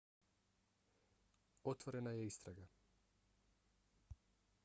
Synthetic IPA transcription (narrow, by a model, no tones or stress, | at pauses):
ot̪vɔɾɛnajɛist̪ɾaɡa